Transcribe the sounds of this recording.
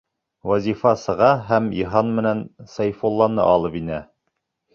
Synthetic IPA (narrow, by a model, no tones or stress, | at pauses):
wæzʲifɑsɤ̆ʁɑɦæmiɦɑnmɘ̆nænsɑjfolˠːɑnɤ̰ʔɑlˠɤpinæ